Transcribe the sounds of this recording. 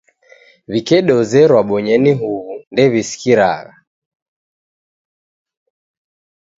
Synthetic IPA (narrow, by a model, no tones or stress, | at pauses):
βikɛɗɔzɛɾwaɓɔɲɛniɦuβundɛβisi̥kiɾa̰ɣa